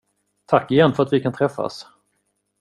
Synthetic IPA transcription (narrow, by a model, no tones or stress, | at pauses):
t̪ʰakːɪjɛnːfœɾat̪vɪkʰant̪ʰɾɛfːa̰s